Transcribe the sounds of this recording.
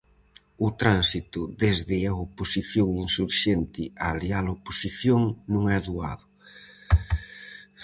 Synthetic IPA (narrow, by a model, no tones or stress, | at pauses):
ʊt̪ɾansit̪uðezðɪaoposiθjoŋinsuɾʃent̪ɪalialoposiθjoŋnũŋɛðua̰ðʊ